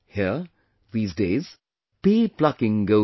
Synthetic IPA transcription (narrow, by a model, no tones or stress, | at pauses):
hi | ðiːzdeɪz̥ | piːpʰlʌkɪ̃ŋɡoʊ